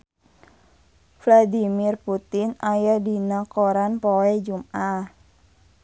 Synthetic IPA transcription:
flad̪imirput̪ɪnajadinakoɾanpowɛd͡ʒumʔa

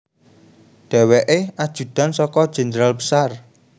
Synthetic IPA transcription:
d̪̥ɛ̤weʔead̥ʒ̥ṳd̪̥a̤nsɔkɔd̥ʒ̥ɛ̤nd̪ɾalbəsar

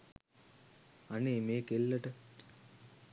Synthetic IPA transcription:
anemeːkelːəʈə

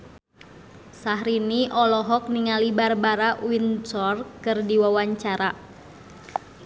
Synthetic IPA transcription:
saɦɾiniʔɔlɔɦɔk̚niŋalibarbaɾaʔwinsɔrkɨrdiwawaɲt͡ʃaɾa

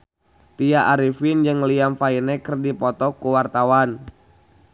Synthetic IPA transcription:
t̪iaʔaɾifind͡ʒɨŋliamfainɛkərdipɔt̪ɔkuwart̪awan

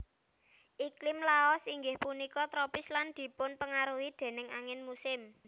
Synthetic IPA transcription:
ʔiklɪmlaɔsiŋɡɪhpunikɔt̪ɾɔpɪsland̪̥i̤pʊnpəŋaɾuwid̪̥e̤nɪŋaŋɪnmusɪm

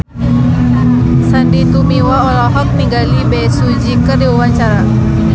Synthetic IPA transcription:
sandit̪umiwaɔlɔɦɔk̚niɡalibɛsud͡ʒikərdiwawaɲt͡ʃaɾa

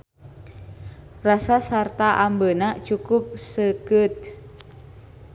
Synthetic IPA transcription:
rasasart̪aʔambənat͡ʃukʊp̚səkɨt̪̚

